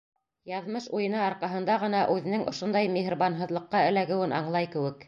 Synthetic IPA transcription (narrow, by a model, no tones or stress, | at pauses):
jɑðmɤʃujɤ̆nɤɑɾqɑɦɤ̆nd̪ɑʁɤ̆nɑʔʉðɘ̆nɘŋʔŏʃond̪ɑjmʲiɦrbɑnɦɤ̆ðlˠɤ̆qːɑɘ̆læɡɘ̆wɘnʔɑɴlˠɑjkɘ̆wɘk